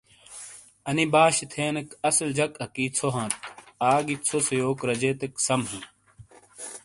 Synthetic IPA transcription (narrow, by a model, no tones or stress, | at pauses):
ɐnibaːɕit̪ʰeːnɐkɐsld͡ʑɐkɐkiːt͡sʰoɦãːt̪̚aːɡit͡sʰosɐjoːkɾɐd͡ʑeːt̪eksɐmɦɐ̃